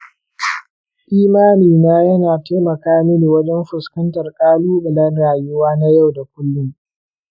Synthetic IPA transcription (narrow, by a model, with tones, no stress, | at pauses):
ʔiː˦maː˦niː˨naː˦jɐ˦naː˨te˦mɐ˨kaː˦mɪ˦ni˨wɐ˦d͡ʒɛ˦mɸʊ˨skɐ˦ntɐ˨rkʼaː˦luː˦bʊ˨lɐ˦nɽaː˨jʊ˦waː˦na˦ja˦˨wda˨kʷʊ˦lːʊ˦ŋ